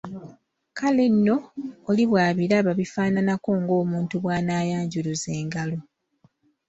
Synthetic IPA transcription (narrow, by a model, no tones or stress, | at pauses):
kalenːo̞ːliβwaːβiɾaβaβifaːnanako̞ːŋɡo̞ːmuːntuβwaːnaːjaːɲɟuluze̞ːŋɡalo̞